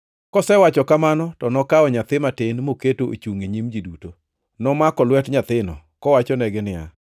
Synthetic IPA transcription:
kɔsɛwat͡ʃɔkamanɔtɔnɔkaɔɲat̪ɪmatɪnmoketoʔo̰t͡ʃuŋeɲimd͡ʒiduto | nɔmakɔlwɛtɲat̪ɪnɔ̰ | kɔwat͡ʃɔnɛɡɪnɪa̰

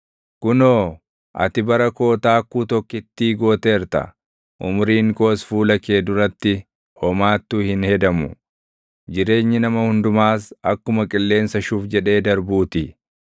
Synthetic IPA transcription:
kʊnoː | ʔɐ̰t̪ɪbɐɾɐko̞ːt̪aːkːuːt̪ɔkːɪt̪ːiːɡo̞ːt̪e̞ːɾt̪ɐ̰ | ʔʊmʊɾiːŋko̞ːsfuːlɐke̞ːd̪ʊɾɐt̪ːɪ | ɔmaːt̪ːuːhɪnhɛd̪ɐmʊ | d͡ʒɪɾe̞ːɲːɪnɐmɐhʊnd̪ʊmaːsɐkːʊmɐkʼɪlːe̞ːnsɐʃuːfd͡ʒɛᶑe̞ːd̪ɐɾbuːt̪i

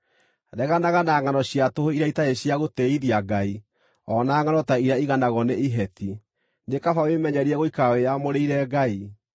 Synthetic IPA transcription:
ɾɛɣanaɣanaŋanɔɕjatohoiɾaitaeɕjaɣotɛiðiaɡai | ɔnaːŋanɔtaiɾaiɣanaɣɔneiɦɛti | nekafawemɛɲɛɾiɛɣoikawejamoɾeiɾɛɡai

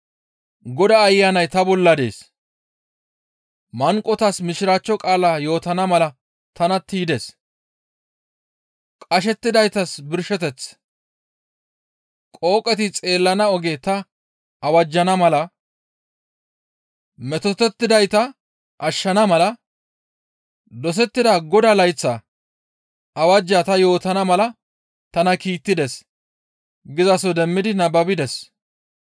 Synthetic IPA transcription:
ɡɔd̪ɐːjːaːnɐjt̪ɐbɔlːɐd̪ḛːs | mɐŋkʼɔt̪ɐsmɪʃɪɾaːt͡ʃːɔkʼaːlaːjo̞ːt̪ɐnɐmɐlɐ | t̪ɐnɐt̪iːd̪es | kʼɐʃɛt̪ːɪd̪ɐjt̪ɐsbɪɾʃɛt̪ɛt͡s | kʼo̞ːkʼɛt̪ɪt͡sʼe̞ːlːɐnɐɔɡet̪ɐ | ʔɐwɐd͡ʒːɐnɐmɐlɐ | mɛt̪ɔt̪ːɛt̪ːɪd̪ɐjt̪ɐ | ʔɐʃːɐnɐmɐlɐ | d̪ɔs̬ɛt̪ːɪd̪ɐɡɔd̪ɐlɐjt͡sːɐ | ɐwɐd͡ʒːat̪ɐjo̞ːt̪ɐnɐmɐlɐ | t̪ɐnɐkiːt̪ːɪd̪ɛs | ɡɪzɐsɔd̪ɛmːɪd̪ɪnɐbɐbɪd̪ɛs

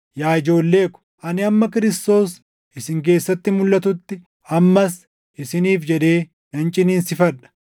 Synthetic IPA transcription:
jaːɪd͡ʒo̞ːlːe̞ːkʊ̥ʔɐnɪɐmːɐkɪɾɪst̪o̞ːs | ɪsɪŋk̬e̞ːsːɐt̪ːɪmʊlːɐt̪ʊt̪ːɪ | ɐmːɐs | ʔɪsɪniːfd͡ʒɛd̪e̞ː | nɐnt͡ʃʼɪniːnsɪfɐᶑɐ̥

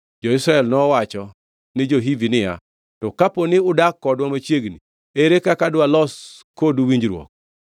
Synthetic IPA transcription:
d͡ʒɔɪsɾaɛlnɔwat͡ʃɔ | nɪd͡ʒoɦivinɪja̰ | tɔkaponɪʊdakːɔdwamat͡ʃjeɡni | eɾekakadwalɔskoduwiɲd͡ʒɾwɔ̰k̚

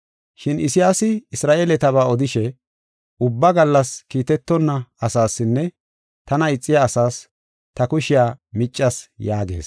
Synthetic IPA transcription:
ʃɪnɪsɪjaːsɪɪsɾaːʔeːlɛt̪ɐβaːɔd̪ɪʃɛ | ʊbːɐɡɐlːɐskiːt̪ɛt̪ːɔnːɐɐsaːsːɪnːɛ | t̪ɐnɐɪt͡sʼːɪjaːsaːs | t̪ɐkʊʃɪjaːmɪt͡ʃʼːɐsjaːɡe̞̰ːs

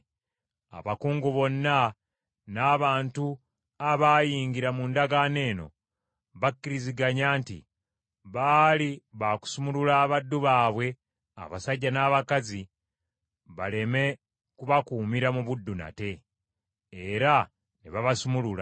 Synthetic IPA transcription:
a̰βakuːŋɡuβo̞nːa | naːβaːntu | aβaːjiːɲɡiɾamundaɡane̞ːno̞̰ | βakːiɾiziɡaɲaːntḭ | βaːliβaku̥sumululaːβadːuβaːβwe̞ | a̰βa̰saɟːanaːβakazi | βale̞me̞ | kuβakuːmiɾamuβudːuna̰te̞ː | ɾa | neβaβasumulula̰

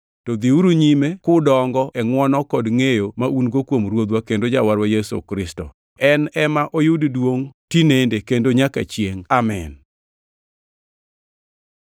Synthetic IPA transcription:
tɔd̪iuɾuɲimekʊdɔŋɡɔʔɛŋwɔnɔkɔdŋejomaʔunɡokwomɾwod̪wakendod͡ʒawaɾwajɛso̰kɾɪstɔ̰ | ɛnɛmaʔojuddwoŋtinendekendoɲaka̰t͡ʃjeŋamɛn

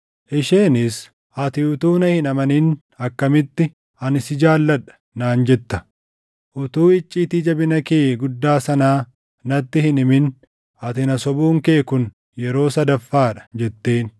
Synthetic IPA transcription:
ʔɪʃeːnɪs | ʔɐt̪ɪʊt̪uːnɐhɪnɐmɐniːn | ɐkːɐmɪt̪ːɪ | ɐnɪsɪd͡ʒaːlːɐᶑɐ̥ | naːnd͡ʒɛt̪ːɐ̥ | ʔʊt̪uːɪt͡ʃʼːiːt̪iːd͡ʒɐbɪnɐke̞ːɡʊd̪ːaːsɐnaː | nɐt̪ːɪhɪnɪmɪn | ɐt̪ɪnɐsɔbuːŋke̞ːkʊn | jɛɾo̞ːsɐd̪ɐfːaːᶑɐ̥d͡ʒɛt̪ːe̞ːn

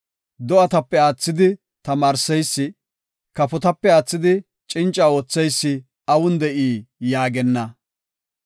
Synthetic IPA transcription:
d̪ɔɐt̪ɐpːɛaːt͡sːɪd̪ɪ | t̪ɐmaːɾsɛjsːɪ | kɐpɔt̪ɐpːɛaːt͡sːɪd̪ɪ | t͡ʃʼɪnt͡ʃʼːaːoːt͡sːɛjsːɪ | ɐwʊnd̪ɛʔiːjaːɡɛnːɐ

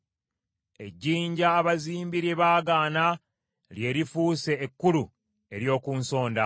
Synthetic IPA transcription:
e̞̰ɟːiːɲɟaːβaziːmbiɾjeβaːɡaːna | lje̞ːɾifuːse̞ːkːulu | e̞ɾjo̞ːkuːnso̞ːnda

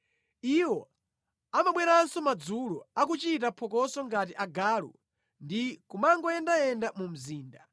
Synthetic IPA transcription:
iwɔ | amaɓwɛɾansɔmad͡zulɔak̬ut͡ʃitapʰɔkɔsɔŋɡatiʔaɡaːlṵ | ndikumaŋɡɔɛndaɛndamum̩ziːnda

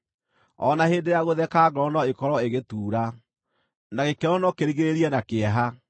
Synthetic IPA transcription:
ɔnaheːndejaɣoðɛkaːɡɾɔnɔekɔɾɔeɣetuːɾa | naɣekɛɾɔnɔkeɾiɣeɾeɾiɛnakeɛɦa

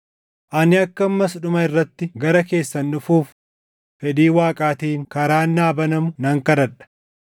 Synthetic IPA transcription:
ʔɐnɪɐkːɐmːɐsᶑʊmɐɪrːɐt̪ːɪɡɐɾɐke̞ːsːɐnːʊfuːfː | ɛd̪iːwaːkʼaːt̪iːŋkɐɾaːnːaːbɐnɐmʊnɐŋkɐɾɐᶑɐ̥

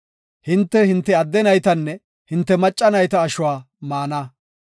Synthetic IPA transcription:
hɪnt̪ːɛhɪnt̪ːɛɐd̪ːɛnɐjt̪ɐnːɛ | hɪnt̪ːɛmɐt͡ʃʼːɐnɐjt̪ɐːʃʊwaː | maːnɐ

